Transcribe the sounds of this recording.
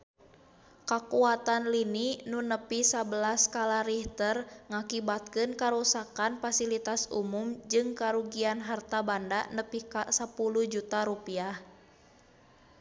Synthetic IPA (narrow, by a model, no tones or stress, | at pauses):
kakuat̪anlininunəpisabəlaskalaɾiht̪ərŋakibat̪̚kɨnkaɾusakanfasilit̪asṵmumd͡ʒɨŋkaɾuɡianɦart̪abandanəpikasapuluhd͡ʒut̪aɾupiah